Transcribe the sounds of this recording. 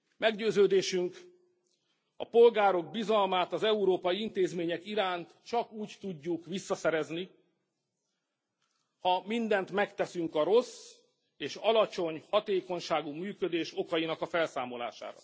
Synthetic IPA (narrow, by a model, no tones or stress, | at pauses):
mɛɡɟøːzøːd̪eːʃyŋk | ɒ̰po̞lɡaːɾo̞ɡ̚bizɒlmaːt̪ɒzɛuɾoːpɒjiint̪eːzmeːɲɛkiɾaːnt̪t͡ʃɒkuːct̪uɟːukʋisːɒsɛɾɛzni | hɒmind̪ɛnt̪mɛkt̪ɛsyŋkɒɾo̞s | eːʃɒlɒt͡ʃo̞ɲhɒt̪eːko̞ɲʃaːɡumyːkø̞d̪eːʃo̞kɒjinɒkɒfɛlsaːmo̞la̰ːʃa̰ːɾɒ̰